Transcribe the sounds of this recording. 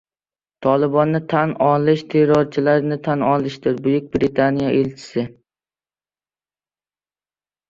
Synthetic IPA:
t̪ʰɒlˠɪbɒnːɪt̪ʰanɒlɪʃt̪ʰe̞ɾɒɾt͡ʃʰɪlaɾnɪt̪ʰanɒlˠɪʃd̪ɪɾbʊjʊk̚ʲbɾɪt̪ʰanijaʔelt͡ʃʰɪ̥sɪ

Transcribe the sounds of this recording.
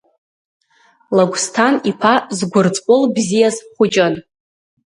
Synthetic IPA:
laɡʷstʰanipʰazɡʷʊrt͡sʼkʷʼʊlbzijazχʷʊt͡ʃʼan

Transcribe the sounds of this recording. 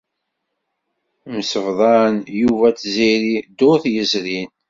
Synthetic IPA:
məsəvðˤɑnjuvæt͡sːziɾid̪oɾθjəzɾin

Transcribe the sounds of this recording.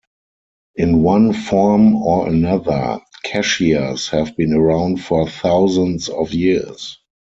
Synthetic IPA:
ʔɪ̃nwãnfɔɹmɔʔə̰naðə̰˞kʰɛʃiashɛvbĩːnəɹãʊ̃ntfɔθaʊzə̃nsɔfjis

